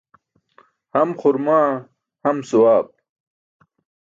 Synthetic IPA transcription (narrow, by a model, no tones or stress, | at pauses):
hɐmχʊɾmaː | hɐmsuwaːb̚